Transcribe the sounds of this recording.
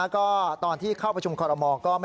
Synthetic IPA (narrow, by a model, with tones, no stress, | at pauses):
kɔː˥˩t̪ɔː˧nt̪ʰiː˥˩kʰaː˥˩pɾa˧t͡ɕʰu˧mkʰɔː˧ɾa˧mɔː˧kɔː˥˩ma˥˩